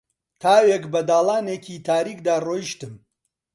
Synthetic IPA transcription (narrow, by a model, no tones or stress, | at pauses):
t̪ʰaːwekbɐd̪aːlˠaːneːcʰit̪ʰaːɾiːk̚d̪aːroːjʃt̪ɨm